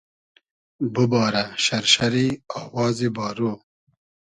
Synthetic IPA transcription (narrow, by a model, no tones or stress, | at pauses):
bubɑːɾaʃɐɾʃɐɾiɑːwɑːzibɑːɾoː